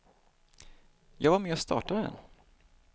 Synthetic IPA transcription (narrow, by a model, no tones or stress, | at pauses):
jɑːɡvaɾmeːɔst̪ʰɑ̰ːʈad̪ɛ̰nː